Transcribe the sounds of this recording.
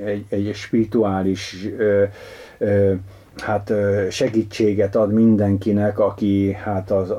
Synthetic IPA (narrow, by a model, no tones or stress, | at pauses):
ɛɛɟʃpirit̪uaːliʃ | hat̪ʃɛɡiːt͡ʃːeːɡɛt̪ɒd̪mind̪ɛŋkinɛkɒkihat̪ɒz